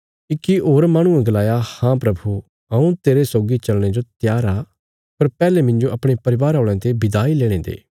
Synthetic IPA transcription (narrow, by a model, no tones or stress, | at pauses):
ikːioːɾmaːɽ̃ũẽɡɐlaːjahãpɾɐbʱu | ɐũt̪eːɾesoːɡit͡ʃɐlɽ̃ed͡ʒot̪jaːɾa | pɐɾpɛːlemɪ̃nd͡ʒoʔɐpɽ̃epɐɾɪʋaːɾɦoːɭ̃ãt̪ebɪd̪aːileːɽ̃ẽːd̪ḛː